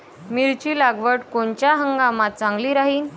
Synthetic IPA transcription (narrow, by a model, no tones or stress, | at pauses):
miɾt͡ɕiːlaɡʋəʈkoɳt͡ɕjaɦəŋɡamat̪̚t͡sãŋɡliːɾaɦiːn